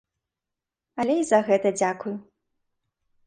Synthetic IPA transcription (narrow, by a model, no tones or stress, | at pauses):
ɐlʲɛizɐɣɛt̪ɐd͡zʲakuju